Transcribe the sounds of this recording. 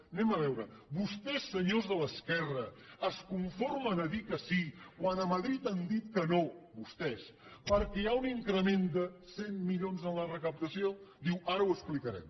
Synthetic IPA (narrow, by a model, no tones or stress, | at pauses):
nɛməβ̞ɛwɾəbust̪ɛsːəɲozðələskɛrəəskuɱformənəðikəsikwanəməðɾit̪and̪it̪kənoβust̪ɛspəɾkɛauniŋkɾəmend̪əsenmiʎonzənlərəkəp̚t̪əsiod̪iwaɾəwəsplikəɾɛ̰m